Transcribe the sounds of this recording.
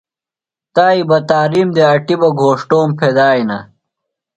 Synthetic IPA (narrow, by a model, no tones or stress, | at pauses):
t̪aːibɐt̪aːɾiːmd̪eɐʈibɐɡʱoːʂʈoːmpʰed̪aːjnɐ̰